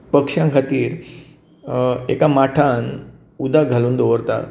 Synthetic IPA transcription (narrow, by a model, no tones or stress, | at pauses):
pəkʂjãŋkʰat̪iːɾ | ekamaʈʰan | ud̪aɡʱaluːnd̪oʋəɾt̪a̰